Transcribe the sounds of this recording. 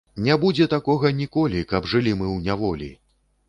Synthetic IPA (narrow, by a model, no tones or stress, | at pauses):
nʲɛbud͡zʲɛt̪akɔɣɐnʲikɔlʲikɐbʐɨlʲimɨwnʲavɔlʲḭ